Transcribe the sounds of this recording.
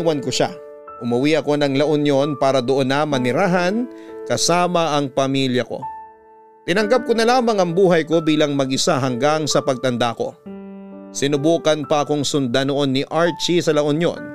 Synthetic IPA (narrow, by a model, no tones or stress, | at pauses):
wɐnkoʃa | ʔʊmɐwiʔɐko̞nɐŋlɐʔonjo̞npaːɾɐd̪oʔo̞nːɐmɐnɪɾaːɦɐnkɐsaːmɐʔɐŋpɐmiljɐko̞̰ | t̪ɪnɐŋɡap̚konɐlaːmɐŋɐŋbuːɦɐjko̞biːlɐŋmɐɡʔɪsaɦɐŋɡaŋsɐpɐɡ̚t̪ɐnd̪aʔɐko̞̰ | sɪnʊbuːkɐnpɐʔɐko̞ŋsʊnd̪ano̞ʔo̞nːɪʔaɹt͡ʃisɐlɐʔonjo̰n